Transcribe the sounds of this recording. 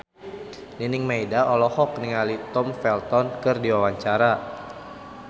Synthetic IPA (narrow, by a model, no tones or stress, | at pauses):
ninɪŋmaidaɔlɔhɔk̚niŋalit̪ɔmfɛlt̪ɔnkɨrdiwawaɲt͡ʃaɾa